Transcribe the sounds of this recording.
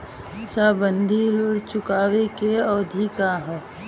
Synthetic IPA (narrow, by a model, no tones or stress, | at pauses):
sabənd̪ʱilʊɽt͡ʃʊkaːʋekeɔːd̪ʱikaɦ